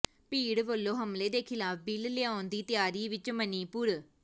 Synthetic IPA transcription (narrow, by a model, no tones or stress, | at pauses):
piːɽbəlːoːɦəmleːd̪eːkʰɪlaːpʰbɪlleãːnd̪iːt̪jaːɾiːʋɪt͡ʃməniːpʊɾ